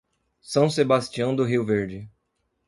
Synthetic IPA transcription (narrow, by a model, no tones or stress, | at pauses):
sɐ̃w̃sebast͡ʃiɐ̃w̃d̪ʊɦiwveɾd͡ʒɪ